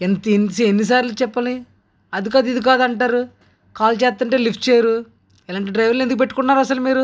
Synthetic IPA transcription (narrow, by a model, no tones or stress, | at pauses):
ent̪ensienːis̬aːɾlut͡ʃɛpːɐni | ɐd̪ikad̪id̪ik̬aːd̪ɐɳʈaːɾu | kaːlt͡ʃɛːt̪ːɐɳʈe̞ːlipʈt͡ʃejɐɾu | ɛlaːɳʈiɖɾɐjʋɐɾlːe̞nd̪ukupe̞ʈːukuɳːaːɾuɐsɐlumiːɾu